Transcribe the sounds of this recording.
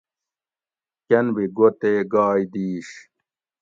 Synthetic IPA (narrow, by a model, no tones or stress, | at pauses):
kɐnbiɡot̪eːɡaːjd̪iːɕ